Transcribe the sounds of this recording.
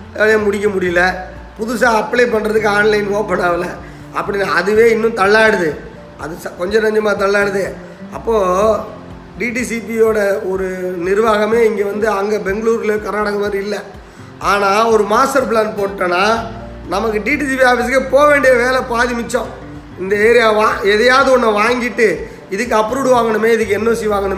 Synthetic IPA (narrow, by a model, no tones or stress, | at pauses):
jeːmʊɽɪk̬ːɐmʊɽɪjɯlɐ | pʊðʊsãːɐpːɭeːp̬ɐɳːɾɐðɯk̬ːɯaːnlɐɪnʋoːpːɐɳːaːʋɪlɐ | ɐpːɐɽɪnːaːɐðɯʋeːɪnːʊ̃mt̪ɐɭːaːɽɯðɯ | ɐ̰ðɯskɔɲd͡ʒɔ̃nɐɲd͡ʒɐmaːt̪̬ɐɭːaːɽɯðɯ | ɐpːoː | ɖiːʈisip̬ijoːɽɐɔɾɯnɪɾɯʋaːɣɐmeːɪŋɡeːʋɐnd̪ɯɐŋɡeːbɛŋɡɐɭuːɾɐlɯkɐɾnaːɽɐɣɐpɐːɾɯɪlːɛ | aːnaːɔɾɯmaːsʈɐɾp̬ɭaːnpoːɯʈːɐnaː | nɐmɐk̬ːɯɖiːʈisipiaːfɪs̬keːpoːʋeːɳɖɪjɐʋeːlɛpaːðɪmɪt͡ʃːõ | ɪnd̪ɐeːɾɪjãːʋaːɛðɐjaːðɯɔnːɐʋaːŋɡɪʈːɯ | ɪðɯkːɯɐpːɾuːɽɯʋaːŋɡɐɳɯmeːɪðɯk̬ːɯɛnːɐsɪʋaːŋɡɐɳɯm